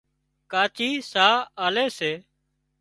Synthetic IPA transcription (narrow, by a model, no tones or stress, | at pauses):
kaːt͡ʃiːsaːaːleːseː